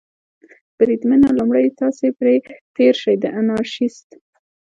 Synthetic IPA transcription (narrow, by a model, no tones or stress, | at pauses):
b̥ɾid̪mənalumɽəjt̪ɑsepɾet̪eɾʃəjd̪əʔanɑɾʃist̪